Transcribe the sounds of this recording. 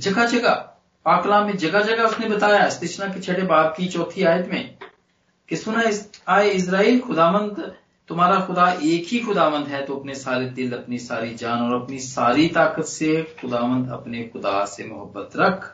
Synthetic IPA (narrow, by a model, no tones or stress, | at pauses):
d͡ʒɐɡad͡ʒɐɡa | paːklãːmːẽd͡ʒɐɡad͡ʒɐɡaʊsnebɐt̪aːjaɪst̪ɪt͡ʃnãket͡ʃʰɐɽebaːt̪̚kit͡ʃɔːt̪ʰiaːjət̪mẽː | kesʊnaɪsaːeɪs̬ɾaːiːlxʊd̪aːʋə̃nd̪ | t̪ʊmaːɾaxʊd̪aʔeːkɦixʊd̪aːʋə̃nd̪ɦɛt̪oɐpnesaːled̪ɪlɐpnisaːɾid͡ʒaːnɔːɾɐpnisaːɾit̪aːkət̪sexʊd̪aːʋə̃nd̪ɐ̰pnexʊd̪a̰ːsemʊɦəbːət̪ɾɐkʰ